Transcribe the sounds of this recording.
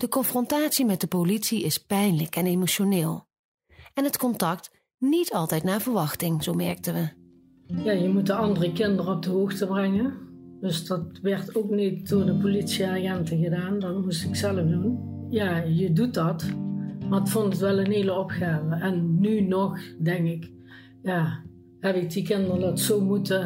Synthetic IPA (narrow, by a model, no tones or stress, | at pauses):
d̥əkɔnfrɔntaːtsimɛt̚dəpolitsiɪspɛjnləkɛnemoʃonɪːlˠ | ɛnɦətkɔntɑk̚t | nitɑlˠtɛjtnaːɹvəɹʋɑxtɪŋz̥owmɛɹk̚təʋə | jaːjəmutdəɑndərəkɪndərɔb̚dəɦoːxtəbrɛŋəndɵsdɑtʋɛɹtoːknit̚dʊːɹdəpolitsiaːɣɛntəɣədaːndɑnmustɪksɛlˠəfdunjaːjədut̚dɑtmatfɔntətʋɛlˠənɦeːləɔpxaːvəʔɛnːynɔxdɛŋkɪk | jaː | hɛpɪk̚dikɪndərdɑtsoːmutə